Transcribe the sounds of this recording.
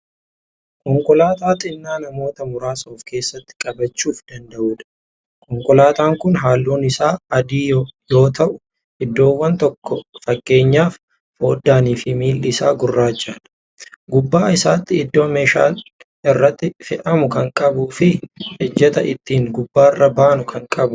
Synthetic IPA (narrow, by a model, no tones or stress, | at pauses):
kɔŋkʼɔlaːt̪aːt̪ʼɪnːaːnɐmo̞ːt̪ɐmʊɾaːsoːfke̞ːsːɐt̪ːɪ̥kʼɐbɐt͡ʃːuːfd̪ɐnd̪ɐʔuːᶑɐ̥ | kʰɔŋkʼɔlaːt̪aːŋkʊnɦaːlːoːnɪsaːɐd̪iːjo̞ːt̪ʰɐʔʊ | ɪd̪ːo̞ːwːɐnt̪ɔkːɔfɐkːe̞ːɲːaːf | ho̞ːd̪ːaːniːfɪmiːlːɪsaːɡʊrːaːd͡ʒːaːᶑɐ̥ | ɡʊbːaːɪsaːt̪ːɪɪd̪ːo̞ːmeːʃa̰ːl | ɪrːɐt̪ːɪfɪʔɐmʊkɐŋkʼɐbuːfɪhɛd͡ʒːɐt̪ɐʔɪt̪ːiːŋɡʊbːaːrːɐbaːnʊkʰɐŋkʼɐbʊ